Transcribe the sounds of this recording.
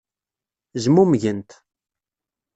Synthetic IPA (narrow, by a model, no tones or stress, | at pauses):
ʒmumʝənt̪